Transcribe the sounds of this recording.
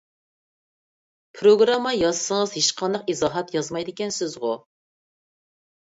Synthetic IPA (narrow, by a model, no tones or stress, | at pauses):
pʰɾoɡɾɑmːɑjɑzsəŋəzheʃqʰɑnd̪ɑqizɑːɦɑt̪jɑzmɑjd̪ɪkʲɛnsɪzʁʊ